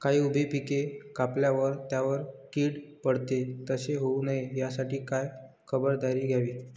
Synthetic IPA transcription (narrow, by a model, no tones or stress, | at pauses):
kaɦiːubʱepikekapljaʋəɾt̪jaʋəɾkiːɽpəɽt̪et̪əseɦounəejasaʈiːkaj | kʰəbəɾd̪aɾiːɡʱjaʋiː